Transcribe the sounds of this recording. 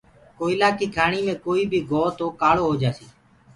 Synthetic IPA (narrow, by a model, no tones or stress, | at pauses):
koːɪlaːkiːkʰaːɳiːmẽːkoːiːbʱiːɡʱoːt̪oːkaːɭoːɦoːd͡ʒaːsiː